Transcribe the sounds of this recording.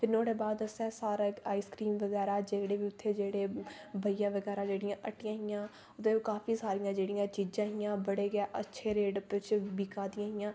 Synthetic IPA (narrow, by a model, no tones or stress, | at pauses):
pʰɪɾnoːɽeːbaːd̪əsɛ̃ːsaːɾeːaːiːskɾiːmʋəɡɛːɾaːd͡ʒekɽeːʋiːʊt̪ʰːeːd͡ʒeːɽeːbʱəɪjaːʋəɡɛːɾãːd͡ʒeːɽɪjãːʔəʈːɪjãːɦɪjãː | ʊt̪eːkaːfiːsaːɾɪjãːd͡ʒeːɽijãːt͡ʃiːd͡ʒãːɦɪjãːbəɽeːɡaːʔətːʃʰeːɾeːɖpɪt͡ʃbikaːd̪ɪjãːɦɪjãː